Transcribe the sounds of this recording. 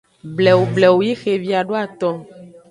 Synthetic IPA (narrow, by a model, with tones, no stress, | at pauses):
blɛ˨wo˨blɛ˨wo˨ji˦xe˨vi˨a˨ɖo˦a˨t̪ɔ̃˦